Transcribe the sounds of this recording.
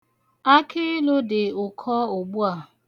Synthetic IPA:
a˦kʰɪ˦lʊ˦dɪ˨ʊ˨kʰɔ˦o˨ɡ͡bu˦a˨

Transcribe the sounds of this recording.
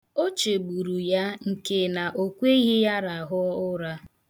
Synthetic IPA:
o˦t͡ʃe˨ɡ͡bu˨ɾu˨ja˦ŋ̩˨ke˦na˨ʔo˦kʷe˦i˦ɣi˦ja˦ɾa˨ɦʊ˦ʊ˦ɾa˦

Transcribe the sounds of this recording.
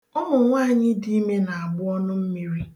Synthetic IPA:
ɔ˦mʊ˨ŋʷaː˦˨ɲɪ˦di˦i˦me˦na˨a˨ɡ͡bʊ˦ɔ˦nʊ˦m̩˦mi˦ɾi˦

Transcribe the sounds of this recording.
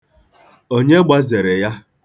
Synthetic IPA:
o˦ɲe˦ɡ͡ba˦ze˨ɾe˨ja˦

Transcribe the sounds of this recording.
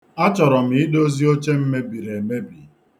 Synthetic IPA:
a˦t͡ʃɔ˨ɾɔ˨m̩i˨ɪ˦do˦zi˦o˦t͡ʃe˦m̩˦me˦bi˨ɾe˨e˨me˦bi˨

